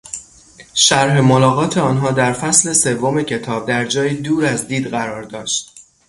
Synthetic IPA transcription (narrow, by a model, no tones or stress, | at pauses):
ʃæɾɦe̞molɒːɣɒːt̪ʰeɒːnɦɒːd̪æɾfæsle̞se̞vːo̞me̞cʰe̞t̪ʰɒːb̚d̪æɾd͡ʒɒːjiːd̪uːɾæzd̪iːd̪ɣæɾɒːɾd̪ɒːʃt̪̚